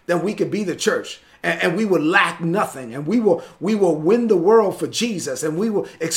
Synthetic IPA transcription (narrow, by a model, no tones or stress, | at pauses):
ðɨ̃nwikɨd̚biðɨt͡ʃʰɜ˞t͡ʃ | ɨ̃ɨ̃nwiwədˡlæk̚nʌθɪ̃ŋɨ̃nwiwɪlˠwiwɪlˠwɪ̃nðəwɜ˞lˠd̥fə˞d͡ʒizɨsɨ̃nwiwɪlˠɨks